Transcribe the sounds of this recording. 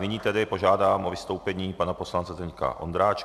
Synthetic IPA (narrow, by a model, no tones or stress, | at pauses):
nɪɲiːt̪ɛdɪpo̞ʒaːdaːmʔovɪst̪o̞wpɛɲiːpanaposlant͡sɛzɛɲka̰ʔo̞̰nd̪ɾaːt͡ʃ